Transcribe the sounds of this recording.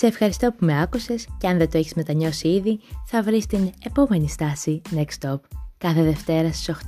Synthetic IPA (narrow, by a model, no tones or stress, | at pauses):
se̞ːfxɐɾist̪o̞pume̞ɐkuse̞sceɐnðe̞t̪oeçizme̞t̪ɐɲo̞siiðiθɐvɾist̪ine̞po̞me̞nist̪ɐsinekst̪o̞pkɐθe̞ðe̞ft̪e̞ɾɐst̪i̥soxt̪